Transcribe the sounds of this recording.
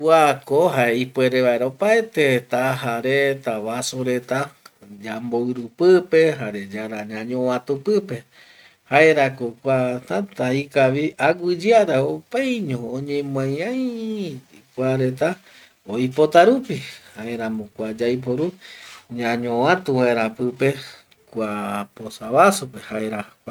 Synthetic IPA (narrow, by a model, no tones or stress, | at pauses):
kuakoɦaeipue̞ɾe̞βaeɾaopaet̪e̞t̪ahaɾet̪aβasoɾe̞t̪ad͡ʒamboɨɾupɨpe̞ɦaɾe̞d͡ʒaɾaɲãɲõãt̪upɨpe̞ | haeɾakokʷat̪at̪ãikaʋiaɡʷɨd͡ʒiaɾaopajɲõõɲẽmãjãj | kʷaɾe̞t̪a | oipo̞t̪aɾupihaeɾãmõkʷad͡ʒajp̬oɾuɲãɲõwãt̪ũwaɾapɨpe̞ | kʷaposaβasope̞haeɾak